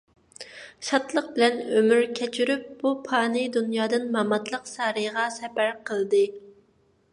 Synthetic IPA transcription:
ʃɑt̪lˠəq̚bɪlɛnømyɾkʲʰɛt͡ʃʰyɾyp̚b̥upʰɑːnɨd̪unjɑːd̪ɨnmɑmɑt̪lˠəqsɑːɾɨʁɑsɛpæɾqʰəlˠd̪ɨ

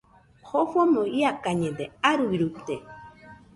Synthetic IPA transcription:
xofomoiakaɲed̪eaɾujɾupt̪e

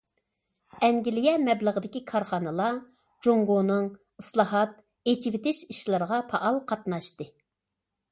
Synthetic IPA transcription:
ɛŋɡʲilɪjɛmɛblˠəʁəd̪ɪkʲikʰɑɾχɑnɨlˠɑ | d͡ʒoŋɡonɨŋ | ɨslˠɑɦɑt̪̚ | et͡ʃʰivɪt̪ɪʃiʃlˠɨɾəʁɑpʰɑʔɑlˠqʰɑt̪̚nɑʃt̪ɨ

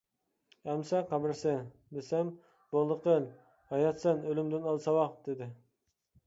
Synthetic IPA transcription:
ɛmsɛqʰɑbɪɾsɪ | d̪esɛm | b̥olˠːəqəl | hɑjɑt̪sɨnølɪmd̪ɪnɑlˠsɑwɑqd̪̥ɪd̪ɪ

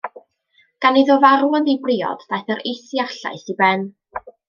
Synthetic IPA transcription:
ɡ̥anɪðɔvaɾwəndibrɪːɔ̰dvajθəɾejsiaɬa̰jsibɛn

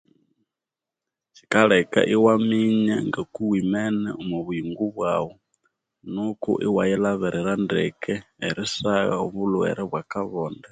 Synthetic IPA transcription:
t͡ʃʰi̥kaɺɛka̰ʔiwamiɲaŋɡakuwimɛnɛumuβujiŋɡuβwawɔ | nukṵʔiwajɛlaβɛɾɛɾandɛkɛɛɾisaɣa̰uβuluɛ̰ɾɛβwakaβɔːnda

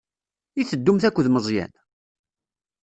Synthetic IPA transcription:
iθəd̪ːumθækʷːðməzˤjæ̰n

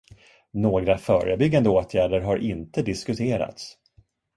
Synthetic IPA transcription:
noːɡɾafœːɾəbʏɡːand̪əoːt̪ʰjæːɖəɾɦaɾʔɪnt̪əd̪ɪskɵt̪ʰeːɾa̰t̪s

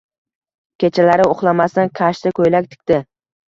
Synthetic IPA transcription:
kʲe̞t͡ʃʰalaɾɪoχlˠamast̪ankʲʰaʃt̪ɪkʰɵjlakʲt̪ʰɪ̥kʲt̪ɪ

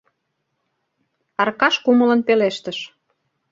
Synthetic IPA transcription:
ɑrkɑʃkumə̆lə̆npeleʃt̪əʃ

